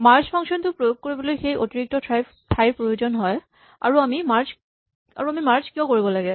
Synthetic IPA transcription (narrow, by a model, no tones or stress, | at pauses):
maɹspʰɔŋsɔntʊpɹojoɡ̚koɹibolojxejʔo̰tiɹik̚tɔtʰɹaj | tʰajɹpɹojozɔnɦɔj | a̰ɹuamimaɹs | a̰ɹuamimaɹskijɔ̃koɹibɔlaɡɛ